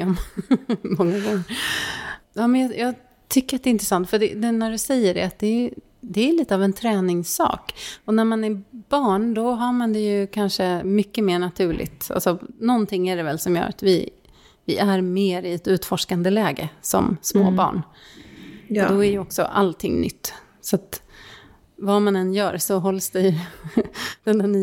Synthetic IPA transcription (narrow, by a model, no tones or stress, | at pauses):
ɔm | mɔŋːaɡɔŋːəɾ | jɑːmɛnjɑjʔɑː | t̪ʰʏkːəɾat̪̚d̪ɛɪnt̪ɾəɛsant̪fœɖɛ̰d̪ɛnæɖɵsɛjːəɖɛ̰at̪̚d̪ɛ | d̪ɛːliːt̪əavɛnt̪ʰɾɛːnɪŋsːɑ̰ːkɔnæɾmanæɾb̥ɑːɳd̪ɔɦaɾmand̪ɛjɵkʰanʂəmʏkːəmeːɳat̪ʰʉ̟ːɭɪ̰ɡt̪a̰lsɔnɔnt̪ʰɪŋːæɖɛvɛlsɔmjœ̰ːɾʔa̰t̪vɪ | vɪʔæɾmeːɾɪɛt̪ʉ̟ːt̪fɔʂkand̪əlɛːɡə̰sɔ̰msmo̰ːbɑ̰ːɳ | ɔd̪ɔæɾjəɔksɔ̰ʔa̰lt̪ʰɪ̰ŋːnʏ̰t̪ː | sat̪ | vamanɛnjœːɾsɔɦɔlsd̪ɛj | d̪̥ɛnːanː